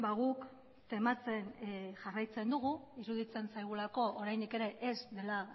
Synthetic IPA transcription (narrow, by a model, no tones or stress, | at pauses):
baɣuk | t̪e̞mat͡se̞nʝarajt͡se̞nd̪uɣ̞uiɾuðit͡se̞nsajɣ̞ulako̞ʔoɾajnd̪ike̞ɾe̞ʔezd̪e̞la